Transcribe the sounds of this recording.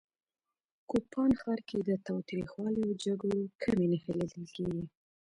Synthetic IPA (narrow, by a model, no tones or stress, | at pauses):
kupʰɑnxɑɾked̪ət̪ɑwt̪ɾḭxwɑliod͡ʒaɡɽokʰamenəxelid̪əlkeɡi